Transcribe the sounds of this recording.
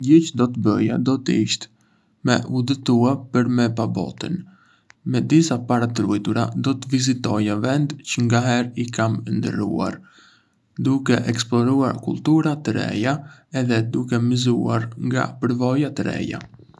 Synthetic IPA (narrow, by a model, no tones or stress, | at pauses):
ɟɛcd̪ɔt̪əbə̰ja̰d̪ɔt̪əiʃt̪ɛ̥ | mɛ̰ʔud̪ət̪uapəɾmɛpabɔ̰t̪ən | mɛd̪isapaɾat̪ɾujt̪uɾad̪ɔt̪əvizit̪ɔjavɛnd̪cəŋɡaɦɛɾikamnd̪ə̰rṵa̰ɾ | d̪ukɛʔɛksplɔɾua̰ɾkṵlˠt̪uɾat̪əɾɛ̰jaɛðɛd̪ukɛmizṵaɾŋɡa̰pəɾvɔjat̪əɾɛ̰ja̰